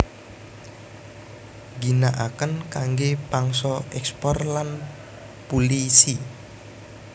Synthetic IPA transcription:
ɡinaʔakənkaŋɡepaŋsɔɛkspɔrlan | polisi

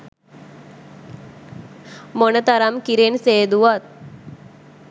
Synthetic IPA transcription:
monət̪aɾamkiɾenseːd̪uʋat̪̚

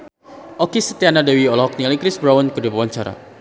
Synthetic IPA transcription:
ʔɔkisət̪ianadawiɔlɔɦɔk̚nialikɾɪsbɾawɔnkərdubawaɲt͡ʃaɾa̰

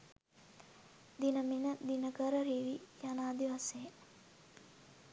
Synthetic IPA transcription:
d̪inəminəd̪inəkəɾəɾiːʋijanaːd̪iʋaseː

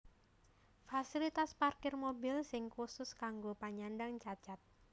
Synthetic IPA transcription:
fasilit̪asparkɪrmobɪlsɪŋkusʊskaŋɡopaɲandaŋt͡ʃat͡ʃat̪̚

